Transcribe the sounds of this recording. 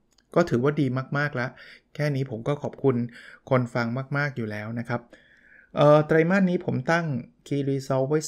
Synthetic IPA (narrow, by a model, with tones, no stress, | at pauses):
kɔː˥˩t̪ʰɯː˩˦waː˥˩diː˧maː˥˩k̚maː˥˩k̚lɛ˦˥ʔkʰɛː˥˩niː˦˥pʰo˩˦mkɔː˥˩kʰɔː˨˩p̚kʰu˧nkʰo˧nfa˧ŋmaː˥˩k̚maː˥˩k̚juː˨˩lɛː˦˥wna˦˥kʰa˦˥p̚ | ʔɤː˨˧˩t̪ɾa˧jmaː˥˩nːiː˦˥pʰo˩˦mt̪a˥˩ŋkʰiː˧liː˧sɔ˦˥wwa˦˥˩j